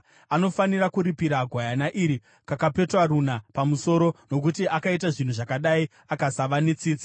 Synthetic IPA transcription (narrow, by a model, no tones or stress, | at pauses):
ano̞fanirakuɾipiɾaɡʱwajanaʔiɾi | kakape̞twarunapamuso̞ɾo̞no̞k̬utiʔakait̬aʐin̤uʐakaɗai | akasaʋanet͡siːt͡si